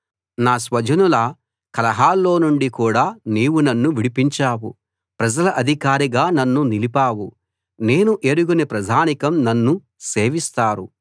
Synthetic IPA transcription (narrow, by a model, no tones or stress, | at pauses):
naːsʋɐd͡ʒʱɐnulɐ | kɐlɐɦaːlːo̞ːnuɳɖikuːɽaːniːwunɐnːuʋiɽipiɲt͡ʃaːwṵ | pɾɐd͡ʒɐlɐʔɐd̪ʱikaːɾiɡaːnɐnːunilipaːwu | ne̞ːnuʔeːɾuɡunepɾɐd̪ʱaːnikɐmnɐnːu | se̞ːʋist̪aːɾu